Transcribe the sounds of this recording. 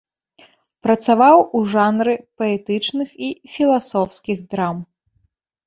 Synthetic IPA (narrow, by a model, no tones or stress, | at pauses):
pɾɐt̪savawuʐanɾɨpɐɛt̪ɨt͡ʂnɨxifʲilˠasɔwskʲiɣd̪ɾam